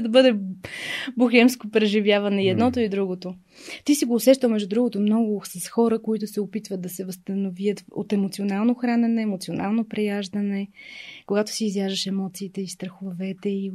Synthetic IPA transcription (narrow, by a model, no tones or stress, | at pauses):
d̪ɐbɤd̪ɛ | buxɛmskopɾɛʒivjavɐnɛiɛd̪nɔt̪oid̪ɾuɡot̪o | t̪isiɡoːsɛʃt̪əlˠmɛʒd̪ud̪ɾuɡot̪omnɔɡʊsɐsxɔɾəkoit̪ʊsɛopit̪vət̪̚d̪ɐsɛvəst̪ənoviət̪o̰t̪ɛmot̪sionalˠnoxɾanɛnɛːmot̪sionalˠnopɾɛjaʒd̪ənɛkoɡat̪ʊ̥siːzjaʒəʃɛmɔt̪siːt̪ɛist̪ɾəxovvɛt̪ɛi